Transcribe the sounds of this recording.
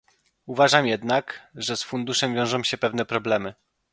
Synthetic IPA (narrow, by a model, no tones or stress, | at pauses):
uvaʐamjɛd̪nakʐɛsfund̪uʂɛmvʲjɔ̃w̃ʐɔ̃w̃ɕɛpɛvn̪ɛpɾɔblɛmɘ